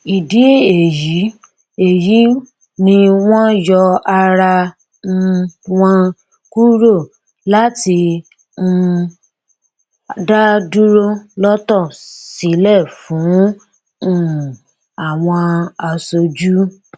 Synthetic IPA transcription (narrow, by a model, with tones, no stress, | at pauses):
i˨di˨˦e˨ji˨˦ | e˨ji˨˦ | nĩ˧w̃ɔ̃˦jɔ˧a˧ɾa˧ | wɔ̃˧ | ku˦ɾo˦˨ | la˦tĩ˧˦˧ | da˦du˦ɾo˦lɔ˦tɔ˦˨si˨˦lɛ˦˨fũ˨˦˨ | a˨w̃ɔ̃˧a˧so˧d͡ʒu˦